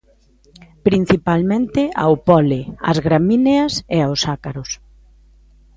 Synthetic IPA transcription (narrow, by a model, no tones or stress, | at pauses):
pɾin̟θipalmẽnt̪ɪa̰wpɔlɪɐ̰zɣɾamineɐseaosakaɾʊs